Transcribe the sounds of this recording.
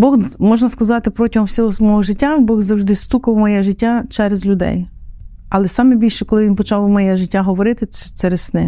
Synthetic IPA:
bɔɣmɔʒnɐskɐzɑt̪ɪpɾɔtʲiɦɔmwsʲɔɦɔsmɔɦɔʒɪtʲːabɔɣzɐwʒd̪ɪst̪ukɐwmɔjɛʒɪtʲːat͡ʃɛɾezlʲʊd̪ɛ̰j | ɐlˠɛsɑmebʲilʲʃɛkɔlˠɪʋʲinpɔt͡ʃɑwwmɔjɛʒɪtʲːaɦɔʋɔɾɪt̪ɪɛt͡ʃ̪ɛɾɛssnɪ

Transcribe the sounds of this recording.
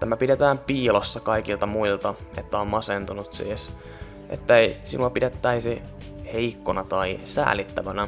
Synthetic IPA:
t̪æmæpidet̪æːmpiːlosːɑkɑikilt̪ɑmuilt̪ɑet̪ːæommɑsent̪unut̪sḭːs | ʔḛt̪ːæeisḭnuɑpidet̪ːæisi | heikːonɑt̪ɑisæ̰ːlit̪ːæʋænæ

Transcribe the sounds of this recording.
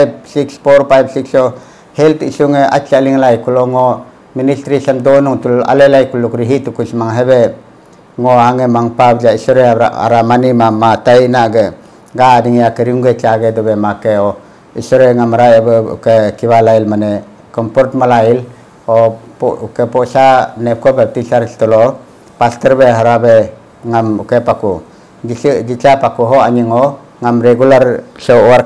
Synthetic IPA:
jb̚sikspoɾpajbsikso | heltiɬuŋea̰t͡ʃaliŋlajkuloŋo | miniɬtɾiɬamdonuŋtula̰lelajkulukuɾiɦitukuɬmaŋɦeβe | ŋoaŋemaŋpabd͡ʒaiɬoɾeaa̰a̰ɾamanimamatajnaɡe | ɡadiŋiakeɾiuŋɡet͡ʃaɡedoβemakeo | isɔɾeŋamaɾajbṵkekiβalailmane | kɔmpɔɾtmalail | opukepoɬanep̚kobep̚tiɬaɾɬtɔlo | pastəɾbeɦaɾabe | ŋamukepaku | d͡ʒid͡ʒit͡ʃapakuɦoaɲiŋo | ŋamɾeɡulaɾɬoaɾ

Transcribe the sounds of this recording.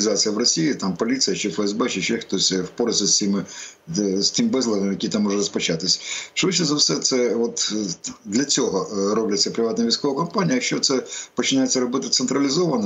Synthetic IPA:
zat͡sʲɨjɐʋrɔsʲijit̪ampɔlʲit̪sɨjɐt͡ʃɛfɛɛzbɛt͡ʃɛt͡ʃɛxt̪ɔsʲwpɔɾʲɪsʲɐsʲt͡sʲimɪ | sʲt̪ɪmbɛzlˠɐɦ̪ɐmjɐkʲit̪amːɔʐɛrɔspɐt͡ʃat̪ɪsʲʂʋɪt͡ʃɛzɐwsɛt̪sɛʋɔt̪d̪lʲɐt͡sʲɔɦɔɾɔblʲɐt͡sʲːɐpɾʲɪʋat̪nɐʋʲijsʲkɔʋɐkɐmpanʲijɐɐʃt͡ʃɔt̪sɛpɔt͡ʃɪnajett͡sʲːɐɾɔbɪt̪ɪt̪sɛnt̪ɾɐlʲɪzɔʋɐnɐ

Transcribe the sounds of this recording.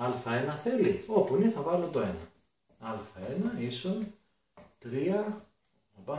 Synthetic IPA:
ɐlfɐe̞nɐθe̞liopuniθɐvɐlot̪o̞e̞nɐ | ɐlfɐenɐison | t̪ɾiɐ | ɐpɐ

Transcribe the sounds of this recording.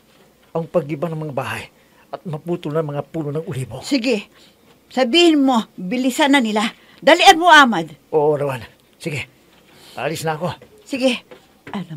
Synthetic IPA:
ʔɐŋpɐɡɪbanɐŋmɐŋabaːɦaj | ʔɐt̪̚mɐpuːt̪ʊlnaŋmɐŋapuːnonɐŋʊliːbosɪɡɪ | sɐbiːhɪnmo̞bɪlɪsanɐnɪla | d̪alɪʔanmoʔaːmad̪ʔoʔoɾawan | sɪɡɛ | paalɪsnɐːko̞ | sɪɡɛ | ʔalam

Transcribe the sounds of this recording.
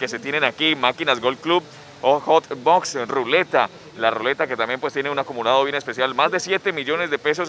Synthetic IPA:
kese̞t̪je̞nenakimakinazɡolklub | oxot̪boksrule̞t̪a | larule̞t̪ake̞t̪ambje̞mpwest̪jeneunakumulaðo̞βje̞nespesjalmazd̪e̞sjet̪e̞miʝo̞ne̞zd̪epe̞s̬o̞s

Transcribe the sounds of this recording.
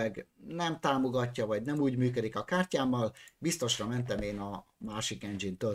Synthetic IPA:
ɛɡnɛmt̪aːmo̞ɡɒcːɒvɒɟnɛmuːɟmyːkød̪ikɒkaːrcaːmːɒlbist̪o̞ʃrɒmɛnt̪ɛmeːnɒmaːʃikɛnd͡ʒint̪ø

